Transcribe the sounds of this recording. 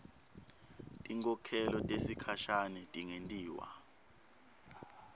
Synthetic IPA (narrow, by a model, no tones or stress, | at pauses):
tʼiŋkʰʼɔkʰɛlɔtʼesikʰaʃanɛtʼiŋentʼiːwa̰